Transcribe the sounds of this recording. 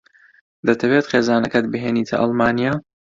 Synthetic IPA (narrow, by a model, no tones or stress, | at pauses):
d̪ɐt̪ʰɐweːt̪xeːzaːnɐkɐt̪̚bɨɦeːniːt̪ʰɐ̰ʔɑ̰lˠmaːnijaː